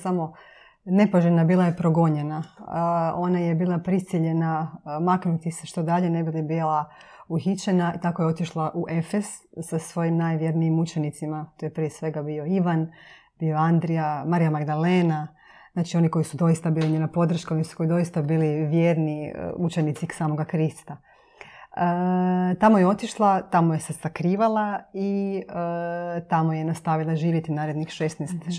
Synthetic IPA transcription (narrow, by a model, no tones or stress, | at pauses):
samo̞ | ne̞paʒenabiːlˠajepɾo̞ɡo̞ɲe̞na | o̞naje̞biːlˠapɾisiʎe̞namaknut̪iseʃt̪od̪aʎenebilibilˠauxit͡ʃenait̪ako̞jeo̞t̪iʃlˠaʔuʔefez̥ːasʋo̞jimnaːjʋjeɾniimut͡ʃe̞nit̪simat̪ojepɾijesʋe̞ɡabio̞iʋan | b̥io̞and̪ɾiamaɾijamaɡd̪aleːna | znaːt͡ʃio̞niko̞jisud̪o̞jist̪abiːliɲenapo̞d̪ɾ̩ʃkaonisu̥ko̞jid̪o̞jist̪abiːliʋjeːɾnḭut͡ʃenit̪sisaːmo̞ɡakɾist̪a | ət̪amojeo̞t̪iʃlˠat̪amoje̞sesakɾiːʋalˠaiət̪amojenast̪aʋilˠaʒiːʋjet̪inaːɾed̪nixʃest̪nɛst̪